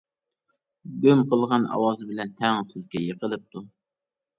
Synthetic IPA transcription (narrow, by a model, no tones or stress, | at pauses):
ɡʲømqʰəlˠʁɑnɑ̰wɑːzɨbɪlɛnt̪ʰɛŋt̪ʰylkʲʰɛjəqəlˠɨp̚t̪ʰu